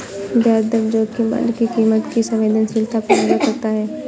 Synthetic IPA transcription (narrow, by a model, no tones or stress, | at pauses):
d͡ʒaːɾd̪əɾd͡ʒoːd̪keba̰nkikiːmət̪kisɐ̃mʋeːd̪ənsɪlt̪ʰapɐnd͡ʒakɐɾt̪aɦɛː